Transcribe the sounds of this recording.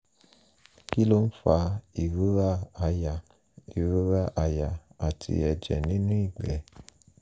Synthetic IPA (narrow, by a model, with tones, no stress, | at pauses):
ki˦lo˦n̩˦fa˧i˨ɾu˦ɾa˦˧ja˨ | i˨ɾu˦ɾa˦ʔa˧ja˨a˨tʰḭ˧˦ɛ˧˨d͡ʒɛ̰˨nĩ˨˦nũ˦i˦˨ɡ͡bɛ˨